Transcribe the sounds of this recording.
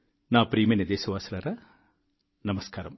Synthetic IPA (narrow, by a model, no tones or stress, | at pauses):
naːpɾiːmɐned̪eːsɐʋaːsɐlɐɾɐ | nɐmɐskaːɾɐm